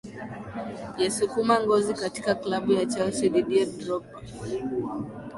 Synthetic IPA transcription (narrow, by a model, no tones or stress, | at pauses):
jɛsukumaŋɡɔzikati̥kaklaɓujat͡ʃalsiɗiɗiɛdɾɔpḁ